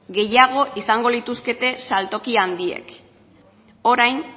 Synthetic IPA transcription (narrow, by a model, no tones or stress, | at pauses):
ɡe̞jaɣ̞o̞ʔisaŋɡo̞lit̪uske̞t̪e̞salt̪o̞kiand̪ie̞̰k | o̞ɾajn